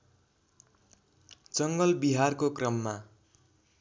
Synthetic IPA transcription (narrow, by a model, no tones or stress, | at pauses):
d͡zʌŋɡʌlbiɦarkokrʌmːa